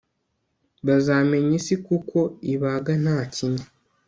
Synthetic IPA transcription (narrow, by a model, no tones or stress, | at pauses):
βazaːme̞ɲisikukʰo̞iβaɡan̥haːciɲa